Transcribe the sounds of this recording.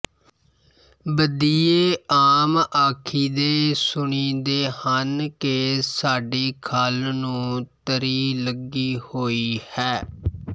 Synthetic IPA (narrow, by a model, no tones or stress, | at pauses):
bəd̪iːeːaːmaːkʰiːd̪eːsʊɳiːd̪eːhənkeːsaːɖiːkʰaːlnũːt̪əɾiːləɡiːhoːiːhɛː